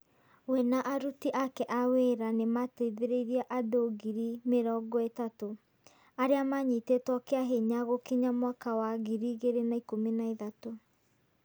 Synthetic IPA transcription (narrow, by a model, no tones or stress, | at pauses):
wɛnaʔaɾutiʔakɛʔaweɾanemateðeɾeiɾiaʔadoɡiɾimeɾɔɡɔetato | aɾeamaɲitetwɔkeaɦeɲaɣokiɲamwakawaɣiɾiɣeɾenaikominaiðato